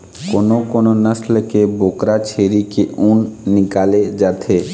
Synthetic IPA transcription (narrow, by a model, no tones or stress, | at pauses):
konokononəsləkebokɾat͡ʃʰeɾikeʔunːikaled͡ʒat̪ʰe